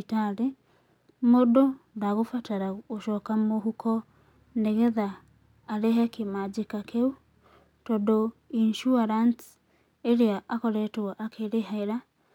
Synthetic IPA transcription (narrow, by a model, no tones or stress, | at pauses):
taɾe | mododaɣofataɾaɣoʃɔːkamoɦukʰɔ | neɣeðaː | ɾeɦɛkemad͡ʒikakʰeu | tɔdoinʃuaɾans | eɾeaʔakɔɾɛtewaʔakʰeɾeɦaeɾa